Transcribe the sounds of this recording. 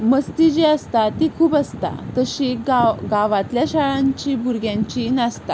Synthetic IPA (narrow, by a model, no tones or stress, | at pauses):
məst̪id͡ʑeəst̪at̪ikʰuːbəst̪a̰t̪əɕiɡaɡaʋãt̪ljaɕaɭãɲt͡ɕibʱuɾɡjãɲt͡ɕinast̪a